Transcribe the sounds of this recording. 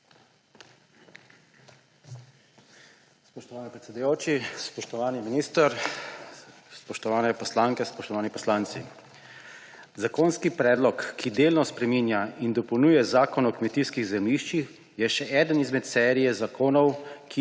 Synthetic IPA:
spɔʃt̪ɔʋaːnɛpɾɛt̪sɛd̪ujoːt͡ʃispɔʃt̪ɔʋaːniminiːst̪əɾ | spɔʃt̪ɔʋaːnɛpɔslaːŋkɛspɔʃt̪ɔʋaːnipɔslaːnt̪sḭ | zakoːnskipɾɛːd̪lɔkːid̪eːlnɔspɾɛminjaind̪ɔpɔwnuːjɛzaːkɔnɔkmɛt̪iskiɣzɛmliʃt͡ʃix | jɛʃɛʔɛːd̪ənizmɛt̪sɛːɾijɛzakoːnɔwkʰi

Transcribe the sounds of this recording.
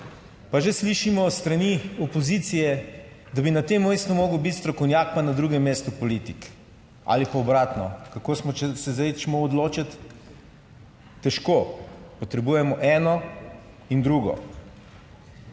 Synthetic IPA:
paʒesliʃimɔst̪ɾɐniɔpoziːt̪sijɛ | d̪abinat̪emːɛjst̪umoːɡəwbit̪st̪ɾɔkɔwnʲjaːk̚panad̪ɾuːɡɛmːeːst̪upɔlit̪ik | a̰lipaɔbɾaːt̪nɔkakoːsmɔt͡ʃɛsɛzaɪt͡ʃmɔɔd̪loːt͡ʃat̪ | ɛʃkopɔt̪ɾɛbuːjɛmɔʔɛːnɔ | ind̪ɾuːɡɔ̰

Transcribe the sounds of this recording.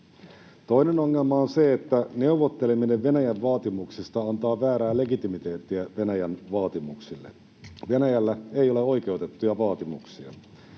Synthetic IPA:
t̪o̞jneno̞ŋːelmɑonse̞et̪ːæne̞uʋot̪ːe̞lemine̞ʋʋe̞næjæʋʋɑːt̪imuksist̪ɑɑnt̪ɑːʋæːɾæːle̞ɡit̪imit̪e̞ːt̪ːiæʋe̞næjænʋɑːt̪imuksilːḛ | ʋenæjælːæe̞jo̞le̞o̞jke̞wt̪e̞t̪ːujɑʋɑːt̪imuksiɑ

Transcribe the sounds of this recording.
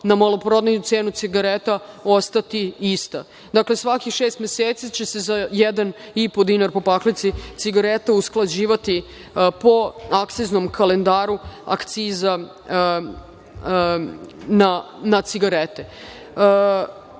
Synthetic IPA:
namolopɾod̪nejut̪seːnut̪siɡaɾet̪ao̞st̪at̪iist̪a | d̪akle̞sʋakixʃeːst̪mʲjeseːt̪sit͡ɕe̞se̞zajed̪an | ipo̞d̪inaɾpo̞paklit̪sit̪siɡaɾet̪ausklˠad͡ʑiːʋat̪i | po̞akt̪siznomkʰale̞nd̪aːɾua̰kt̪siːza | nanat̪siɡaɾet̪e

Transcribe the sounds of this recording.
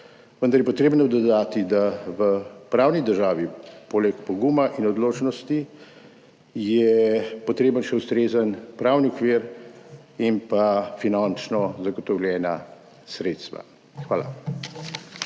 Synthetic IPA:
ʋənd̪aɾjɛpɔt̪ɾeːbnɔd̪ɔd̪aːt̪id̪aʋəpɾaːwnid̪əɾʒaːʋipoːlɛkpɔɡumaʔinɔd̪loːt͡ʃnɔst̪i | jɛpɔt̪ɾeːbənʃɛust̪ɾeːzənpɾaːwniɔkʋiɾ | impafinant͡ʃnɔzaɡɔt̪ɔwljɛːna | sɾeːt̪st̪ʋa̰ | xʋaːla̰

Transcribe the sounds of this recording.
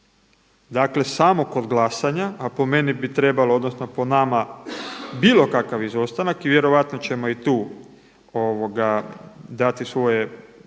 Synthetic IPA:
d̪akle̞samo̞ko̞d̪ɡlasaɲaapo̞me̞nibit̪ɾe̞balood̪no̞sno̞po̞nama | biːlˠo̞kakaʋizo̞st̪anakiʋjeɾo̞ʋat̪not͡ɕe̞mo̞it̪uː | oʋo̞ɡad̪at̪isʋo̞je

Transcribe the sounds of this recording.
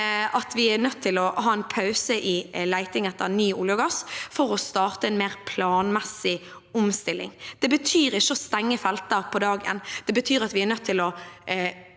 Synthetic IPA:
ʔɑt̪ʋɪæɾnœt̪ʰːɪlɔɦɑːɛnpʰɑʉsəʔɪlæɪt̪ɪŋɛt̪ːənyːʊljɑɡɑsfɔɾɔst̪ɑːʁt̪əɛnmeːʁpʰlɑːnmɛsɪ | ʊmst̪ɪlːɪ̰ŋd̪̥ɛbət̪ʰyːɾɪʃːəɔst̪ɛŋːəfɛlt̪əɾpʰɔd̪ɑːɡḛːnːd̪̥ɛbət̪ʰyːɾɑt̪ʋɪæɾnœt̪ʰːɪlɔ

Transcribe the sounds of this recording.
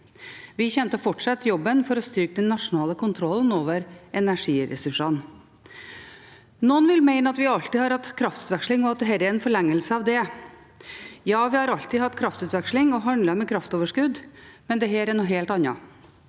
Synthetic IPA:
ʋɪçɛmt̪əfɔʈʂɑt̪ːjɔbːənfɔɾɔst̪ʏɾkəd̪ɛnːɑʂʊnɑːləkʊnt̪ʰɾɔlːən̩oːʋəɾɛnæʂiːɾɛ̰sʉʂɑn | nɔənʋɪlmæɪnəɑt̪ʋɪɑlt̪iːhɑɾhɑt̪ːkʰɾɑft̪ʉ̥ːt̪ʋɛkʂlɪŋɔɑt̪̚d̪ɛɦæːɾəæɾɛnfɔɭɛŋːəlsəɑʋd̪ɛ | jɑːʋɪhɑɾɑlt̪iːhɑt̪ːkʰɾɑft̪ʉːt̪ʋɛkʂlɪŋɔɦɑnlɑmɛkʰɾɑft̪oːʋəʂkʉd̪mɛnd̪ɛɦeːɾɛnuɦeːlt̪ɑnːɑ

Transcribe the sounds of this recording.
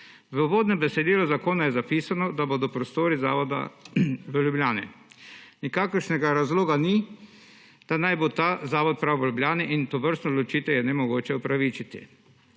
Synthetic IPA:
ʋəuʋoːd̪nɛmbɛsɛd̪iːlɔzakoːnajɛzapiːsanɔd̪abod̪ɔpɾɔst̪oːɾiza̰ːʋɔd̪a̰ʋəljubljaːnḭnikaːkəɾʃnɛɡaɾazloːɡani | d̪̥anajbot̪azaːʋɔt̪̚pɾawʋəljublʲjaːniʔint̪ɔʋəɾst̪nɔd̪lɔt͡ʃiːt̪ɛwjɛnɛmɔɡoːt͡ʃɛupɾaʋiːt͡ʃit̪ḭ

